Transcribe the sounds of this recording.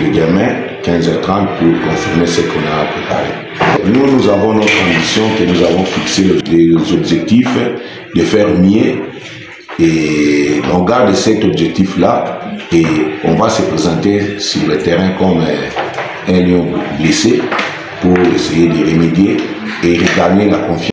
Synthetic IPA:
lədɛmɛ̃ | kɛ̃zɛt̪ʁɑ̃t̪̚puʁkɔ̃fiʁmesəkɔ̃napχepa̰ʁḛ | nunuzavɔ̃nɔt̪χɑ̃bisjɔ̃kənuzavɔ̃fiksellezɔbʒɛk̚t̪if | d̪əfɛʁmje | e | nɔ̃ɡaʁd̪sɛt̪ɔbʒɛk̚t̪iflaeɔ̃vasəpχezɑ̃t̪esyʁlət̪ɛʁɛ̃kɔm | ɛ̃ljɔ̃blese | puʁesejed̪iʁemed̪je | eʁekaʁmelakɔ̃fj̃

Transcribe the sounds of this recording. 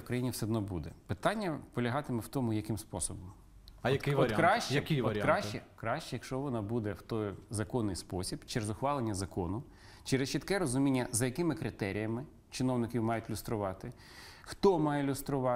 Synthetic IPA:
kɾɐjinʲiwsɛd̪nɔbud̪ɛpɪt̪ɑnʲːɐpɔlʲɐɦɑt̪ɪmɛwt̪ɔmʊjɐkɪmspɔsɔbɔm | jɐkɪjʋɐɾʲkːɾɑʃt͡ʃjɐkɪʋɔɐɾʲkɾɑʃt͡ʃɛkɾɑʃt͡ʃɛjɐkʃt͡ʃɔʋɔnɑbud̪ɛwt̪ɔjzɐkɔnːɪjspɔsʲibt͡ʃeɾezʊxʋɑlˠenʲːɐzɐkɔnʊ | t͡ʃɛɾɪst͡ʃit̪kɛɾɔzʊmʲinʲːɐzɐjɐkɪmɪkɾɪt̪ɛɾʲijɐmɪ | t͡ʃɪnɔwnɪkʲiwmɑjʊtʲlʲʊst̪ɾʊʋɑt̪ɪ | xt̪ɔmɑjɛlʲʊst̪ɾʊʋɑ

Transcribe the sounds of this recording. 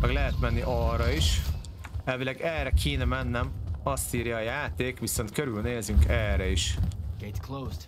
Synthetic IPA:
mɛɡlɛɦɛt̪mɛnːiʔɒrɒiʃ | ɛlvilɛɡɛːrɛkʰiːnɒmɛnːɛmɒst̪iːɾjɒːjaːt̪eːkʋiso̞nt̪køɾylneːzyŋkɛːrɛiʃɡ̥etkʰlozd̥

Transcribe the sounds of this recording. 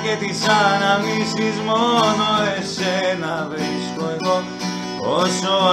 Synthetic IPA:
ket̪isanamisizmonoesenaveiskoeɣo | oso

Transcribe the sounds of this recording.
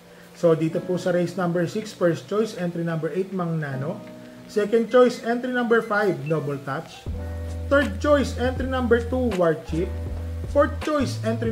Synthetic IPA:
sod̪iːt̪opʊsɐɾejsnɐ̃mbɛɹsiksfɛɹst̪̚t͡ʃojsɛ̃nt̪ɾinɐ̃mbɛɹʔejt̪̚mɐŋnaːno | sɛkɐnd̪̚t͡ʃojsɛ̃nt̪ɾinɐ̃mbɛɹfajbnobɛlt̪at̪t͡ʃt̪ɛɹd̪̚t͡ʃojsɛnt̪ɾinɐ̃mbɛɹt̪uwaɹd̪̚t͡ʃip̚foɹt̪̚t͡ʃojsɛnt̪ɾi

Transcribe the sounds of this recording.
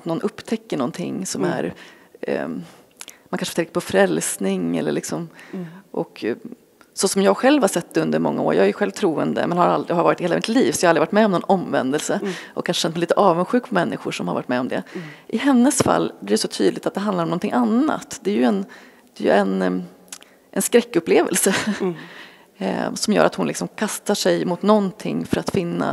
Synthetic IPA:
t̪nɔnʔɵpːt̪ʰɛkːəɳɔnt̪ʰɪ̰ŋːsɔmæ̰ɾ | mankanʂft̪ʰɛŋkəɾpʰɔfɾɛlsnɪŋɛ̰lːə̰ɭɪksɔmʔɔk | sɔsɔmjɑːɡɧɛlvhaʂɛt̪ːɛɵnd̪əɾmɔ̰ŋːa̰o̰ːɾjɑ̰ːɡæjɧɛlvt̪ʰɾuːə̰nd̪ə̰mɛnhaɾa̰ld̪ɾɪhaɾvɑːɾt̪heːlmɪt̪liːvsɔjɑhalɾɪvaʈmɛɔmnɔnɔmvɛ̰nd̪əlsəʔɔ̰kʰːanʂəɕɛnt̪mɛliːt̪əʔɑːvənɧʉ̟ːkpʰɔmɛnːʔɪɧʊʂɔmhaɾva̰ʈmɛɔmd̪ɛ̰ʔɪɦɛnːəsfa̰lːbliːɾɛsɔt̪ʰy̰ːd̪lɪɡ̚t̪at̪̚d̪ɛɦand̪aɾɔmnɔnɪŋʔanːa̰t̪d̪ɛæɾjɵɛn | d̪ɛjɵ̰ɛn | ʔɛnskɾɛkːɵpleːvə̰lsə | sɔmjœ̰ːɾʔat̪hʊnlɪksɔmkʰast̪aʂɛjmʊt̪nɔnt̪ʰɪ̰ŋːfœɾat̪fɪnːa̰

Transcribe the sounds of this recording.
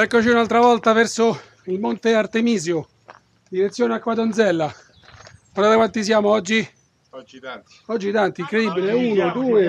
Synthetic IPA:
ɛkːot͡ʃiunalt̪ɾavɔlt̪avɛrso | ilmont̪eart̪emiːzjo | d̪iɾet̪sːjoːneakːwad̪ond̪zɛlːa | mad̪at̪akwant̪is̬jaːmoɔd͡ʒːi | ɔd͡ʒːit̪ant̪iiŋkɾed̪ibːileuːnod̪uːe

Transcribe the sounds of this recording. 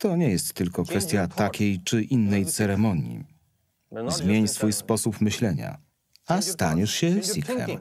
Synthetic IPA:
t̪ɔɲɛjɛst̪ːɘlkɔkfɛst̪ʲjat̪akʲejt͡ʂɘʔinːɛjt̪sɛɾɛmɔɲḭ | zmʲjeɲsfujspɔsupmɘɕlɛɲa̰ | ast̪aɲɛʂɕɛsʲikɛ̰m

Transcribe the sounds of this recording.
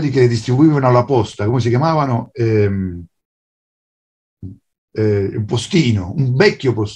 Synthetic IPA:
d̪ikelɪd̪ist̪ɾibuiːvanalːapɔst̪akomes̬ikjamaːvanʊɛm | ɛḭlpost̪iːnʊumbɛkːjopos

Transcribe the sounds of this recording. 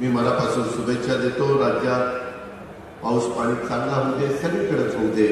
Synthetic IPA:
miːməlapasuːnsubekɕad̪et̪oɾad͡ʑja | pawspaɽ̃iːt̪kãnlaməd̪ʱːesəɾiːkəɽət͡sɦod̪e

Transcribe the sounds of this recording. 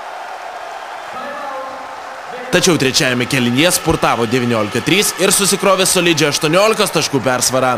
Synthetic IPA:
t̪ɐt͡ʃʲɛʊt̪ʲɾʲɛt͡ʃʲæːjɛmʲɛkʲɛlʲɪnʲiɛspʊɾt̪ɑːʋoːd̪ʲɛʋʲiːnʲoːlʲɪkɐt̪ʲɾʲiːsɪɾsʊsʲɪkɾoːʋʲeːsoːlʲɪd͡ʒʲɛɐʃt̪uɔnʲoːlʲɪkɐst̪ɐʃkuːpʲæɾsʋɐɾɑː

